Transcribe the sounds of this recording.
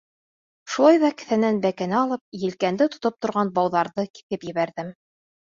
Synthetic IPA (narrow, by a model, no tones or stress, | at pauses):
ʃulˠɑjðɑkɘ̥̆θænænbækænæɑlˠɤp̚jɘ̆lkænd̪ɘt̪ŏt̪op̚t̪ŏɾʁɑnbɑwðɑɾðɤki̥θɘpjɘ̆βæɾðɘm